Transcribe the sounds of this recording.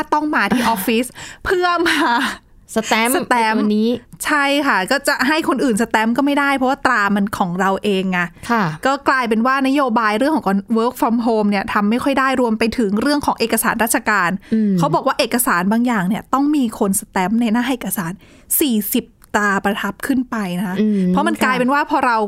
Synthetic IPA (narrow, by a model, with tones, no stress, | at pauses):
a˥˩t̪ɔ˥˩ŋmaː˧t̪ʰiː˥˩ʔɔː˦˥fiː˦˥spʰɯ˥˩əmaː˧ | sa˧t̪ːsa˧t̪ɛː˦˥miː˦˥t͡ɕʰa˥˩jkʰa˥˩kɔː˥˩t͡ɕa˨˩ʔɦa˥˩jkʰo˧nʔɯː˨˩nsa˧t̪ɛː˦˥mkɔː˥˩ma˥˩jda˥˩jpʰɾɔ˦˥waː˥˩t̪ɾaː˧ma˧nkʰɔː˩˦ŋɾa˧wʔeː˧ŋːa˧˩kʰkɔː˥˩klaː˧jp̬e˧nwaː˥˩na˦˥joː˧baː˧jɾɯ˥˩əŋkʰɔː˨˩˦kɔ˧nwɤː˦˥k̚fɔ˧˦˥mɦoː˧mni˥˩ɐt̪ʰa˧mːa˥˩jkʰɔ˥˩jdaː˥˩jɾu˧əmpa˧jt̪ʰɯ˨˩˦ŋɾɯ˥˩əŋkʰɔː˩˦ŋʔeː˨˩ka˧saː˩˦nɾaː˥˩t̪̚t͡ɕʰa˧kaː˧n˧kʰa˦˥wbɔː˨˩kwaː˥˩ʔeː˨˩kːa˧saː˩˦nbaː˧ŋjaː˨˩ŋni˥˩ɐt̪ɔ˥˩ŋmiː˧kʰo˧nsa˧t̪ɛː˦˥mna˧jnaː˥˩ɦa˥˩ʔeː˨˩ka˧saː˩˦n | siː˨˩si˨˩p̚t̪aː˧pɾa˧t̪ʰa˦˥p̚kʰɯ˥˩npa˧jna˦˥kʰa˦˥pʰɾɔ˦˥ma˧nklaː˧jpe˧nwaː˥˩pʰɔː˧ɾa˧w